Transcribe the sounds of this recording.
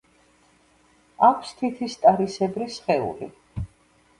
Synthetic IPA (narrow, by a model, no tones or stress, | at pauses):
akʷʰst̪ʰit̪ʰist̪ʼaɾisɛbɾisχɛṵli